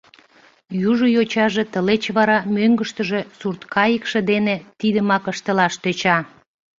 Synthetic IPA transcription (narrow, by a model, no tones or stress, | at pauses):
juʒojot͡ɕɑʒet̪əlet͡ɕβɑɾɑmøŋɡəʃt̪əʒe̽surt̪kʰɑjəkʃĕd̪enet̪id̪əmɑkəʃt̪əlɑʃt̪øt͡ɕɑ